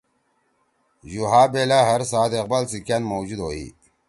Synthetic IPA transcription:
juɦaːbelaɦɐɾsaːd̪eq̚balsikanmowd͡ʑud̪oːḭ

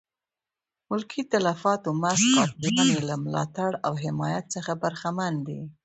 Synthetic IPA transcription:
mʊlkʰit̪alafɑt̪omasqɑt̪̚lɑnelamlɑ̰t̪aɽawɦɪmɑjat̪̚səxabaɾxamand̪ḭ

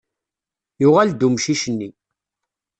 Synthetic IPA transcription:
jʊʁæld̪umʃiʃənːi

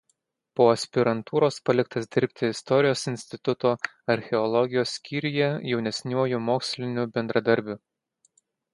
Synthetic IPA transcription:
poːɐsʲpʲɪɾɐnt̪uːɾoːspɐlʲɪk̚t̪ɐsd̪ʲɪɾʲpʲt̪ʲɪɪst̪ɔɾʲɪjoːsɪnʲsʲt̪ʲɪt̪ʊt̪oː | ɐɾʲxʲɛɔlˠɔɡʲɪjoːsːʲkʲiːɾʲɪjɛjɛʊnʲɛsʲnʲuɔjʊmoːksʲlʲɪnʲʊbʲɛnd̪ɾɐd̪ɐɾʲbʲʊ

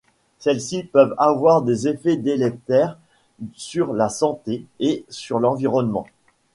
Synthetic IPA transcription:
sɛlsipœvavwaʁd̪ezefɛd̪elɛk̚t̪ɛʁ | syʁlasɑ̃t̪eesyʁlɑ̃viʁɔnmɑ̰̃

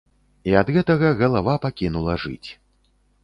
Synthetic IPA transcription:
iɐd̪ɣɛt̪ɐɣɐɣɐlˠavapakʲinulˠɐʐɨ̰t͡sʲ

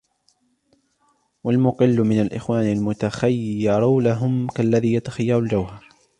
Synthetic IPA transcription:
walmʊqɨlːʊmɪnalʔɪ̰xwaːnalmʊt̪axajːɪːɪɾˤulaɦʊmkalːaðiːjat̪ḁxajːɑɾˤʊld͡ʒawhɑɾˤ

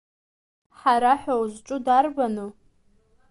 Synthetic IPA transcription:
ħaɾaħʷawzʈ͡ʂʷʼʊdarbanɨ

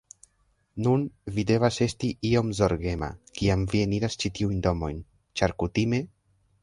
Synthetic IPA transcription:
nunvide̞vase̞stiʔio̞mzo̞ɾɡe̞ma̰kiamvieniɾast͡ʃitiujndo̞mo̞jn | t͡ʃaɾkutime̞

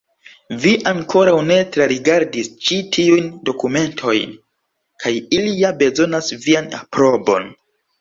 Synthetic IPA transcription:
viʔaŋkʰo̞ɾawne̞tɾaɾiɡaɾdist͡ʃitʰiujndo̞kume̞ntʰo̞jn | kʰajilijabe̞zo̞nasviana̰pɾo̞bo̞̰n

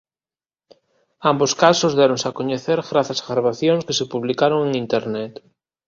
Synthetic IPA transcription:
amboskasʊzðɛɾoŋsakoɲeθeɾɣɾaθazɣɾaβaθjoŋskesepuβlikaɾoŋeŋint̪eɾnɛt̪

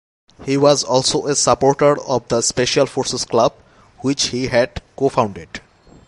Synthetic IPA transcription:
hiwɔzɔlsoʔesəpoɾʈəɾɔvd̪əspeʃəlfoɾsesklʌb̚ | wit͡ʃhiɦɛɖkofãʊ̃ɳɖeɖ

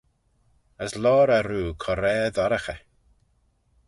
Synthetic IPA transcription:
əslɔːɾaɾuːkʰɔɾɛːðaɾəxɛ

